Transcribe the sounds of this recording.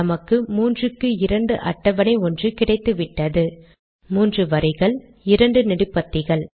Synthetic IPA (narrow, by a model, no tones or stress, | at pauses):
ɐmɐkːɯmuːndrɯkːɯɪɾɐɳɖɯʔɐ̰ʈːɐʋɐnɐɪɔndrɯkɪɽɐɪt̪ːɯʋɪʈːɐðɯ | muːndrɯʋɐɾɪɣɐɭ | ɪɾɐɳɖɯnɪɽɯpːɐt̪ːɪɣɐɭ